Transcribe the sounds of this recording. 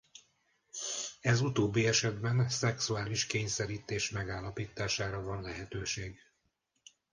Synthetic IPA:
ɛzut̪oːbːiɛʃɛd̪bɛnsɛksuaːliʃkeːɲsɛɾiːt̪eːʃmɛɡaːlːɒpiːt̪aːʃaːɾɒvɒnlɛɦɛt̪øːʃeːɡ

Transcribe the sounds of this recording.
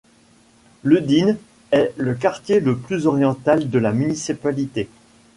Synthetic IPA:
ləd̪in | ɛlək̬aʁt̪jeləplyzɔʁjɑ̃t̪ald̪əlamynisipalit̪e

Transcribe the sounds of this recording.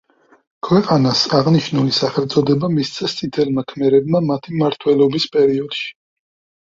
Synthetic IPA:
kʰwɛqʼanasaʁniʃnulisaχɛlt̪sʼɔd̪ɛbamist̪sʰʼɛst̪sʼit̪ʰɛlmakʰmɛɾɛbmamat̪ʰimaɾt̪ʰwɛlɔbispʼɛɾiɔd̪̥ʃi̥

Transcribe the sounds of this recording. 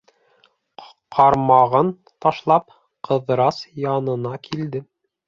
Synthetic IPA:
qʰɑɾmɑʁɤn | t̪ɑʃlˠɑp̚ | qɤ̆ðɾɑsjɑnɤ̆nɑkʰild̪ɘ

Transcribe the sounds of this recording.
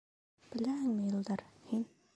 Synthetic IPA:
b̥ɘ̆læhɘŋmɘjɤ̆lˠd̪ɑɾhin

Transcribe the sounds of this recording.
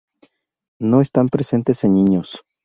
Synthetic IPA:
noest̪ampɾesent̪eseniɲos

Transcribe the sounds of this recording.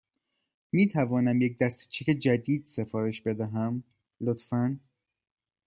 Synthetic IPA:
miːt̪ʰævɒːnæmje̞c̚d̪æst̪t͡ʃʰeced͡ʒæd̪iːd̪̥se̞fɒːɾe̞ʃbe̞d̪æɦæm | lot̪fæn

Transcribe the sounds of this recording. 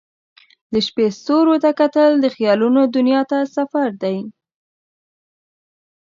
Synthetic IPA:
d̪əʃpest̪oɾot̪akat̪əld̪əxjɑlunod̪ʊnjɑt̪asafaɾd̪aj

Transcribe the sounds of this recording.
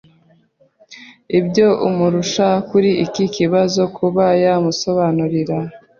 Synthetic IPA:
ibɟo̞ʔumuɾuʃakuɾiikikiβazo̞kʰuβajamuso̞βanuɾiɾa

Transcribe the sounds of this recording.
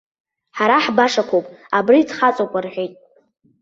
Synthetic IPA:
ħaɾaħbaʂakʷʰowpʼabriːdχat͡sʼokʷʼarħʷᶣejtʼ

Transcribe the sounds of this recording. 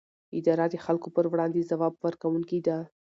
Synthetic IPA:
ɪd̪ɑɾad̪əxalkopəɾwɽɑnd̪ezawɑb̚wəɾkawuŋkid̪a

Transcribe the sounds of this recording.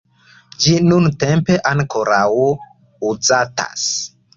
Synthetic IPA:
d͡ʒinuntempe̞ʔaŋkoɾaw | uzata̰s

